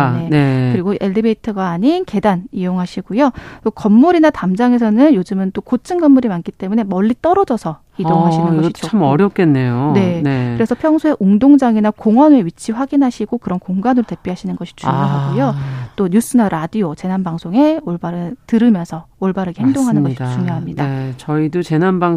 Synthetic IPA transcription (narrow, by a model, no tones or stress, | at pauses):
nenkɯɾiɡoʔeɭdibeitʰɯɡwaːɲinke̞danijoŋɦaɕʰiɡ̥ojot͈okʌmːuɾinatamd͡ʑaŋe̞sʰʌnɯnjod͡ʑɯmɯnt͈okot͡ɕʰɯnɡʌmːuɾimank͈it͈e̞mune̞mʌʎːit͈ʌɾʌd͡ʑʌsʰʌ | ijoŋɦaɕʰinnʌɕioamʌɾjʌp̚k͈enːe̞jone̞nekɯɾe̞sʰʌpʰjʌŋsʰoe̞ʔuŋdoŋd͡ʑaŋinakoŋwʌneɥit͡ɕʰiɸwaɡinɦaɕʰiɡokɯɾʌnkoŋɡanɯɾote̞p͈ʰiɦaɕʰinɯnɡʌɕʰi̥t͡ɕujoɦaujot͈oɲus͈ɯnaɾadiot͡ɕe̞nanbaŋsʰoŋe̞oɭbaɾɯtɯɾɯmjʌnsʰʌoɭbaɾeɡehɦeŋdoŋɦanɯnɡʌidt͡ɕuŋjoɦamɲidat͡ɕʌidot͡ɕe̞nanbaŋ